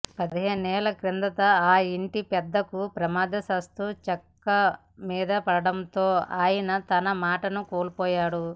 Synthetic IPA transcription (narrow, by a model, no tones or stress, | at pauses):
pɐd̪iɦeːnɛːlɐkɾend̪ɐt̪ɐaːiɳʈipɛd̪ːɐkupɾɐmaːd̪ɐsɐst̪ut͡ʃɐkːɐ | miːd̪ɐpɐɾɐɽɐnt̪o̞ːaːjɐnɐt̪ɐnɐmaːʈɐnukoːlupɔːjaːɽu